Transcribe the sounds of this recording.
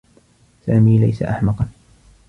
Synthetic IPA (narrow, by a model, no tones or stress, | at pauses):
saːmiːlajsa̰ʔaħmɑqɑn